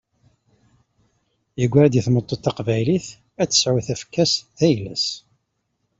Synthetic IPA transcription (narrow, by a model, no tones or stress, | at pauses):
jəɡʷːɾæd̪jəθmət̪ˤːot̪ːɑqvæjliθ | æt͡sːə̥sʕuθæfkːæsðæjlə̰s